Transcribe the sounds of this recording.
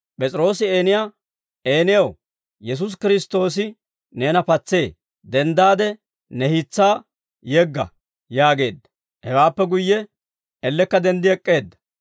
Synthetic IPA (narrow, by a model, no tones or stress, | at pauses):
pʼɛt͡sʼɾo̞ːsɪeːnɪjaː | eːnɪjɐw | jɛs̬ʊs̬kɪɾɪst̪o̞ːsɪ | ne̞ːnɐpɐt͡sːe̞ː | d̪ɛnd̪aːd̪ɛ | nɛhɪt͡sːaː | jɛɡːɐ̰ | jaːɡe̞ːd̪ːɐ̥ | hɛwaːpːɛɡʊjːɛ | ɛlːɛkːɐd̪ɛnd̪ɪɛkʼːe̞ːd̪ːɐ̥